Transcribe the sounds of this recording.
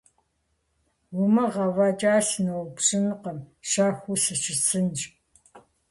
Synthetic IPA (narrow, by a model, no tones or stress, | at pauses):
wʊmɐʁɐvaːt͡ʃʼaːɬnɐwbʂʼɪnqɐmʃaːxʷusɨt͡ʃʰɪsʰɨnt͡ʃ